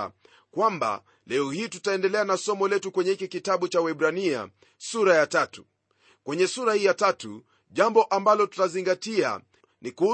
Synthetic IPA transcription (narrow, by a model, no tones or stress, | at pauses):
kwamba̰ | lɛɔhiːtutaɛndɛlɛanasɔmɔlɛtukwɛɲɛhikikitaɓut͡ʃawɛɓɾania̰ | suɾajatatu | kwɛɲɛsuɾahiːjatatṵ | ʄambɔʔambalɔtu̥taziŋɡatia̰ | nikuu